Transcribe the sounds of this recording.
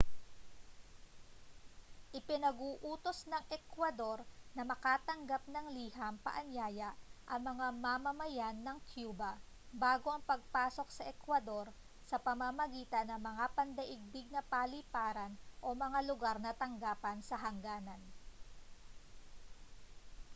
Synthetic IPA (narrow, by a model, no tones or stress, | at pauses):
ʔɪpɪnɐɡuːʔuːt̪o̞snɐŋʔɛkwɐd̪o̞ɾnɐmɐkaːt̪ɐŋɡap̚nɐŋliːhampɐ̰ʔɐnjaːjɐʔʔɐŋmɐŋamamɐmɐjanːɐŋkʰjuːbɐ | baːɡo̞ʔɐŋpɐɡ̚paːso̞ksɐʔɛkwɐd̪o̞ɾ | sɐpɐmamɐɡiːt̪ɐnːɐmɐŋapɐnd̪ɐʔɪɡ̚bɪɡ̚nɐpalipaːɾɐnʔo̞mɐŋalʊɡaɾnɐt̪ɐŋɡaːpɐnsɐɦɐŋɡaːnɐn